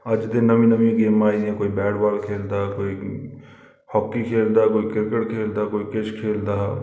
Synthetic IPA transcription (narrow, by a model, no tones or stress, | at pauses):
əd͡ʒd̪ɪnːəmĩnəmĩɡeːmaːiɛ̃koːibɛːɽbaːlkʰeːld̪akoːi | hɔːkːikʰeːld̪aːkoːikɪɾkəʈkʰeːld̪aːkoːikɪt͡ʃʰkʰeːld̪aː